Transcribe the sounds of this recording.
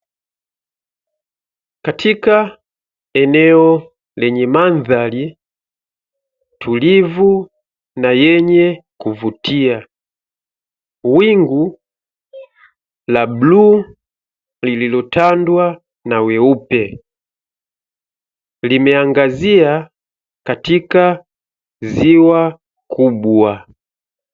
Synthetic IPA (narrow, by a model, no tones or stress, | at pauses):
katʰika | ɛnɛɔ | lɛɲɛmanðali | tʰulivu | najɛɲɛkuvutia | wiŋɡu | lablu | lililɔtandwa | nawɛupɛ | limɛaŋɡazia | katika | ziwa | kubwa